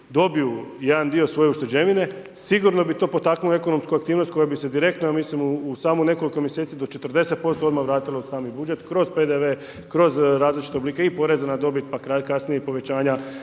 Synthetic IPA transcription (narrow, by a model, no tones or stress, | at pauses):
d̪o̞biujed̪and̪io̞sʋo̞je̞uʃt̪e̞d͡ʑe̞ʋine̞ | siɡuɾno̞bit̪o̞ːpo̞t̪aknue̞ko̞no̞mskuakt̪iːʋnost̪ʲkojabise̞d̪iɾe̞kt̪nojamiːsimuːsaːmune̞ko̞liko̞mjese̞ːt̪sid̪o̞t͡ʃe̞t̪ərd̪e̞se̞t̪̚po̞st̪ood̪maʋɾaːt̪ilosaːmibud͡ʒe̞t̪kɾo̞zpe̞d̪eʋe̞ | kɾo̞zɾaːzlit͡ʃi̥t̪eobliːkeipo̞ɾezanad̪o̞bit̪̚pakakasnijeipo̞ʋe̞t͡ɕaːɲa